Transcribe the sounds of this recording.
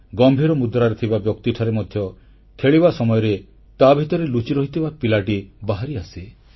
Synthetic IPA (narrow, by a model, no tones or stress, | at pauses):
ɡɔmbʱiɾɔmud̪ɾaɾet̪ʰibabjɔkt̪iʈʰaɾemɔd̪ʱjɔ | kʰeɭiβasɔmɔjɔɾe | t̪abʱit̪ɔɾelut͡ʃiɾɔɦit̪ʰibapilaʈibaɦaɾiasi